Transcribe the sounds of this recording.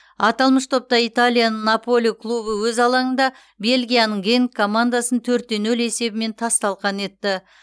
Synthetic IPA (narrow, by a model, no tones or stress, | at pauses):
ɑt̪ɑlˠməʃt̪ʰo̞p̚t̪ɑijt̪alʲijanəɴnːapo̞lʲˠijkʰlˠubəwɵzɑlˠɑɴənd̪ɑ | be̞lʲɡʲijanəɴɡʲe̞ŋkʰːo̞mand̪asənt̪ʰɵɾt̪ːe̞nɵle̞se̞bɪme̞nt̪ʰɑst̪ɑlˠʁɑne̞t̪ːɪ